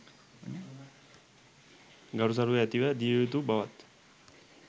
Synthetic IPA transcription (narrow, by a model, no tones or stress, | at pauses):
ɡaɾus̬aɾuʋeɛt̪iʋɛd̪it̪ubaʋat̪